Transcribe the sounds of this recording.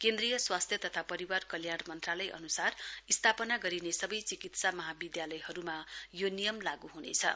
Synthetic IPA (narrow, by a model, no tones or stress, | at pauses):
kẽnd̪rijʌswast̪ʰjʌt̪ʌt̪ʰapʌɾiwarkʌljaɽmʌnt̪ralʌjʔʌ̰nusarist̪ʰapʌnaɡʌɾinesʌbʌjt͡sikit̪samʌɦabid̪jalʌjhʌɾumajonijʌmlaɡuɦunḛt͡sʰʌ̰